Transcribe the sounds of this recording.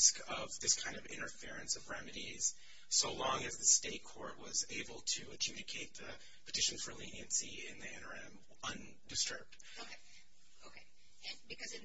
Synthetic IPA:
skʌvðɪskʰãɪ̃ndʌvɪ̰̃ñə˞fɪɹɨ̃nsʌvɹɛmɨɾiz̥ | soʊlɔ̃ŋɨzðɨsteɪt̚kʰɔ̰ɹt̚wʌzeɪbl̩ˠtʰɨɨd͡ʒʉɾɨkʰeɪt̪̚ðɨ | pʰɨ̥tʰɪʃɨ̃n̩z̥fə˞lĩniɨ̃nsi | ɪ̰̃nðiɛ̃nə˞ɛ̃m | ʌ̃n | dɨstɜ̰˞b̚d̥ | oʊkʰeɪ | oʊkʰeɪ | ɨ̃bɨkʌzɨ

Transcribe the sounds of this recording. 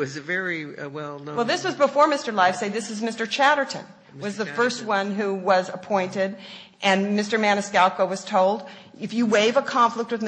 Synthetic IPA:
ʌzvɛɹiwɛlˠnwɛlˠðɪswʌzbəfɔɹmɪstə˞laɪfseɪðɪsɨzmɪstə˞t͡ʃʰæɾə˞ɾɨ̰̃n | wʌzðɨfɜ˞st̚wʌ̃nɦuwʌzəpʰɔ̃ɪ̃ntɪɾ | ʔɨ̃nmɪstə˞mæ̃nɨskælˠkoʊwʌz̥tʰoʊlˠdɨfjɨweɪvəkʰɑ̃ɱflək̚t̚wɨð

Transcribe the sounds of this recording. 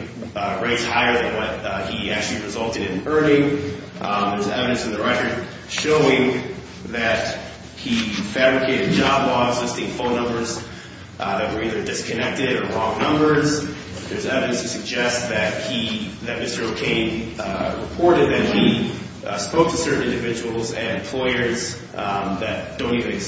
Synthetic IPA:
ɹeɪtz̥haɪə˞ðɨ̃nwʌt̚hiæk̚t͡ʃʉl̩ˠiɹɨzʌlˠtɨɾɨ̃nɜ˞nɪ̃ŋ | ðə˞zɛ̰vɨɾɨ̃nsn̩ðɨɹɛkə˞d | ʃoʊɪ̃ŋ | ðɨt̚ | hifæbɹɨkʰeɪɾɨd̚d͡ʒɑblɔɪɡzɪstɪ̃ŋfõʊ̃nːʌ̃mbə˞z | ðɨt̚wə˞iðə˞dɪskʰɨnɛk̚tɨɾə̃˞ɹɔ̃ŋnʌ̃mbə˞z | ðə˞zɛvɨɾɨ̃nstʰɨsɨɡ̚d͡ʒɛst̪̚ðɨt̚hiðɨt̚mɪstə˞oʊkʰẽɪ̃nɹɨpʰɔɹɾɨd̪̚ðɨt̚hi | spoʊk̚tʰɨsɜ˞ʔn̩ɪ̃ndɨvɪd͡ʒɨwl̩ˠzɨ̰̃nɨ̃m̩pʰl̥ɔɪə˞z | ðɨt̚d̥õʊ̃ntivɨ̃nɨɡ

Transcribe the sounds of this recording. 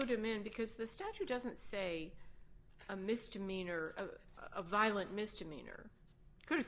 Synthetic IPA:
ʊɾɨ̃mɪ̃nbɨkʰʌzðɨstæt͡ʃʉd̥ʌzɨ̃ntseɪ | əmɪsd̥ɨmĩnə˞ʔɨəvaɪlˠə̃nmɪsd̥ɨmḭ̃nə̰˞ | kʰɨɾɨ

